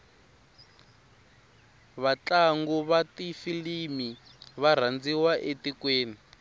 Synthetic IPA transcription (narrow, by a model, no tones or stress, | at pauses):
βat͡ɬaŋɡuβatifilimi | βar̤and͡ziwaʔetikweːni